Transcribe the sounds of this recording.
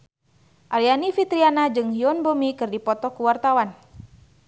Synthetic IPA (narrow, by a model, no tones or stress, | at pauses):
ʔalianifit̪ɾianad͡ʒɨŋɦiɔnbomikɨrdipɔt̪ɔkuwart̪awan